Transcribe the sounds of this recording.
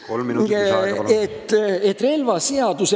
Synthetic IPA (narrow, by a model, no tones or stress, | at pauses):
et̪ːet̪ːˑre̞lvɑseɑd̪̥use